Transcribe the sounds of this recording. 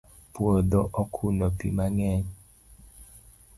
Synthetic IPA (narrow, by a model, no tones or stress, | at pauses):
pwod̪ɔʔɔkʰunɔpḭmaŋɛɲ